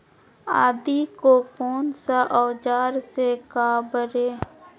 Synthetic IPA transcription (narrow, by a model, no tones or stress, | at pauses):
a̰ːd̪ikokoːnsaʔɔːd͡ʒaːɾsekaːbəɾeː